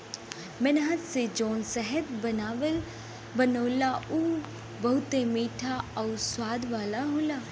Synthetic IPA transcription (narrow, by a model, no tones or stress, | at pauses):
mɛnɦət̪sed͡ʒɔːnsəɦət̪bənaːʋəl | bənəːlauː | bɐɦut̪emiːʈʰaɐuswaːd̪ʋaːlaɦoːlaː